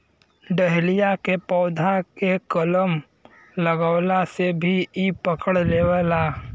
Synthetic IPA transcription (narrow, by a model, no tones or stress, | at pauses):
ɖəɦlijakepɔːd̪ʱakekələm | ləɡəːlasebʱiipəkəɽleːwaːla